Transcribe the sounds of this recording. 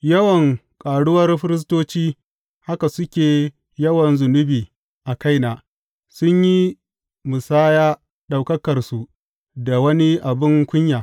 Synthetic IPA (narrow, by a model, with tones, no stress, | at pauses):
jɐ˦wɐ˨ŋkʼaː˨ɽʊ˦wɐ˦rɸɪ˦ɾɪ˦s̬toː˦t͡ʃiː˦ | ha˦ka˨sʊ˦kʲeː˨ | jɐ˦wɐ˨nzʊ˨nʊ˦biː˨ | ʔa˨ka˦jnaː˨ | sʊ˦ɲji˦ | mʊ˨saː˦jaː˦ | ɗa˨wkɐ˦kɐ˨rsu˨ | da˨wɐ˦ni˦ʔa˨bɪ˦ŋkʷʊ˦ɲjaː˨